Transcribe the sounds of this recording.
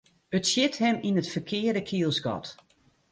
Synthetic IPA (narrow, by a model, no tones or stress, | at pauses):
ətsjɪthɛminətfərkʰɪədəkʰiəlˠsɡɔ̰t